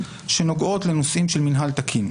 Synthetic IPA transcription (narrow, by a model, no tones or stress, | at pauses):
ʃe̞no̞ɡʔo̞t̪le̞nosʔimʃe̞lminɦalt̪akʰin